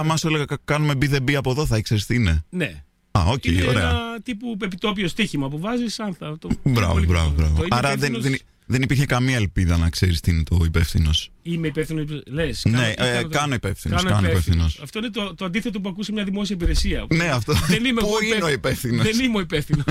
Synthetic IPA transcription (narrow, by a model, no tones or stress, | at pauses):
ɐmɐsoleɣɐkkɐnumebiðe̞biɐpo̞ðoθɐikseɾist̪inene | ɐoceoɾeɐɐt̪ipuepit̪o̞piost̪içimɐp̬uvɐzisɐnθɐt̪obɾɐ̰vo̰bɾɐvobɾɐvoɐɾɐðenðen | ðenipiɾçekɐmiɐelpiðɐnɐkse̞ɾist̪inet̪o̞ipe̞fθino̞s | imeipefθinolesnekɐno̞ipe̞fθinoɐnskɐnoipefθinosɐft̪oinet̪ot̪oɐnd̪iθet̪o̞p̬uɐkusimɲɐðimo̞siɐip̬iɾesiɐnne̞ɐft̪oenimpuineo̞ipefθinoenimoipefθino